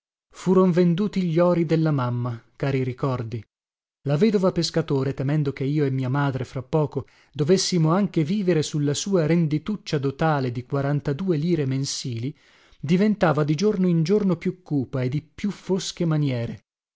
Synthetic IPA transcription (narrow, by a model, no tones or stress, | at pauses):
fuːɾonvend̪uːt̪iʎɔːɾid̪elːamamːakaːɾiɾikɔrd̪i | lavɛːd̪ovapeskat̪oːɾet̪emɛnd̪okeiːoemːiːamaːd̪ɾefɾapːɔːko | d̪ovesːimoaŋk̟eviːveɾesulːasuːaɾend̪it̪ut͡ʃːad̪ot̪aːled̪ikwaɾant̪ad̪uːeliːɾemensiːli | d̪ivent̪aːvad̪id͡ʒornoind͡ʒornopjukːuːpaed̪ipjufːosk̟emanjɛːɾe